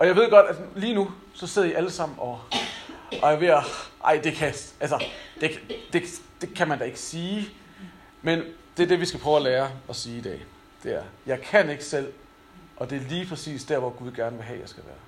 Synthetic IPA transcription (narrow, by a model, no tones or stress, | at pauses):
ɒ̽jɑ̈ɪʋe̝ð̞̰ˠɡ̥ɒ̽d̥æliːnu | sɒ̽se̝ð̞̰ˠɐiʔæləsɑ̈m̰n̩ɒ̽ | ʔɒ̽æɐʋe̝ʔɑ̈ɪ̰d̥e̝kʰæælsɐd̥e̝dd̥e̝d̥e̝kʰæmænd̥æe̝ɡ̥ə̥siː | mend̥eɐd̥e̝ʋisɡ̥æpʰʁœʊæleːɐɒ̽siːid̥ɛ̰ː | d̥e̝æɐjɑ̈ɪkʰæne̝ɡ̥ə̥sel̰ | ʔɒ̽d̥e̝æɐliːpʰʁɛsḭːsd̥æɐ̰ʋɒɡ̥uð̞ˠɡ̥æɐnəʋe̝ɦɛ̰jɑ̈ɪsɡ̥æʋæːɐ